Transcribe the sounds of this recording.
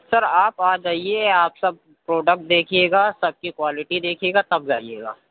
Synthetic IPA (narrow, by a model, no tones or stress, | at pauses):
sɐɾaːpaːd͡ʒaːieaːpsɐb̚ | pɾoːɖək̚ʈ̚d̪eːkʰieːɡaːsɐb̚kikwaːlɪʈid̪eːkʰieːɡat̪ɐb̚d͡ʒaːiḛːɡa̰ː